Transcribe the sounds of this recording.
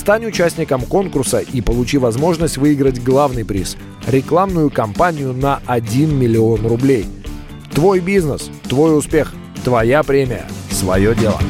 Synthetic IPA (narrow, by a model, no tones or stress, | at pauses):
st̪anʲʊt͡ɕæsʲnʲɪkəmko̞nkʊrsəʔipəlˠʊt͡ɕivɐzmo̞ʐnəsʲtʲvɨɪɡɾətʲɡlˠavnɨjpɾʲḭs | ɾʲɪklˠamnʊjʊkɐmpanʲɪjʊnəɐdʲinmʲɪlʲɪo̞nrʊblʲej | t̪vo̞jbʲiznəs | t̪vo̞jʊspʲe̞x | t̪vɐjapɾʲemʲɪjə̰svɐ̰jo̞dʲe̞lˠə̰